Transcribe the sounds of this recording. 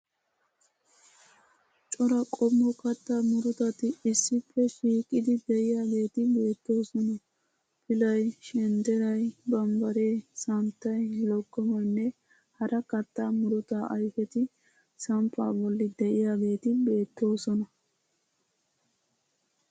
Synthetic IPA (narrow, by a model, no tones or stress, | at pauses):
t͡ʃʼɔɾɐkʼɔmːɔkɐt̪ːaːmʊɾʊt̪ɐt̪ɪɪsːɪpːɛʃiːkʼːɪd̪ɪd̪ɛʔɪjaːɡe̞ːt̪ɪbe̞ːt̪ːo̞ːsɔnɐ | pʰɪlɐjʃɛnd̪ɛɾɐjbɐmbɐɾe̞ːsɐmt̪ːɐjlɔɡːɔmɐnːɛ | hɐɾʔɐkɐt̪ːaːmʊɾʊt̪aʔɐjfɛt̪ɪ | sɐmpʰːa̰ːbɔlːɪd̪ɛʔɪjaːɡe̞ːt̪ɪbe̞ːt̪ːo̞ːsɔnɐ